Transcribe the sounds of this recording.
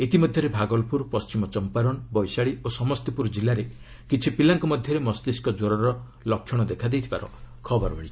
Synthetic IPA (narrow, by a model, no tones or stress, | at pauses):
et̪imɔd̪ʱjɔɾebʱaɡɔlpuɾpɔst͡ʃimɔt͡ʃɔmpaɾɔnbɔjsaɭiosɔmɔst̪ipuɾd͡ʒilːaɾe | kit͡ʃʰipilaŋkɔmɔd̪ʱjɔɾemɔst̪iskɔd͡ʒoɾɔɾɔ | lɔkʰːjɔɽ̃ɔd̪ekʰad̪ejt̪ʰibaɾɔ̰kʰɔbɔɾɔbɔɽit͡ʃʰi̥